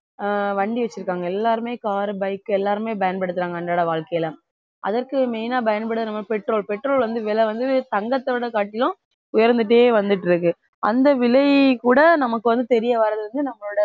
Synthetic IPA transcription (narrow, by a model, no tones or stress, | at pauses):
ʋɐɳɖiʋɐt͡ʃːɪɾɯkːaːŋɡɐɛlːaːɾɯmeːkaːɾɯbɐɪkːɯɛlːaːɾɯmeːbɐjɐnpɐɽɯt̪ːɯɾaːŋɡɐːɳɖaːɽɐʋaːɭkɐjɐlɐ | ʔɐ̰ðɐɾkɯmɛɪnaːbɐjɐnpɐɽɯt̪ːɐnɐmːɐpɛʈɾoːɭpɛʈːɾoːlʋɐnd̪ɯʋɛlɐʋɐnd̪ɯt̪ɐŋɡɐt̪ːɐʋɪɽɐkaːʈːɪlʊ̃ | ʊjɐɾnd̪ɯʈ̬ːeːʋɐnd̪ɯʈːɪɾɯk̬ːɯ | ɐnd̪ɐʋɪlɐɪkuːɽɐnɐmɐkːɯʋɐnd̪ɯt̪ɛɾɪjɐʋaːɾɐðɯʋɐnd̪ɯnɐmːɐɭoːɽɐ